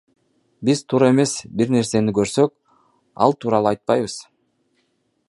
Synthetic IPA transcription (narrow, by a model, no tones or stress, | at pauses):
bizt̪ʰuːɾe̞me̞sbiɾne̞ɾse̞nikø̞ɾsø̞k̚ | ɑ̰lˠt̪ʰuːɾɑlˠuɑjt̪̚pɑjβɯz̥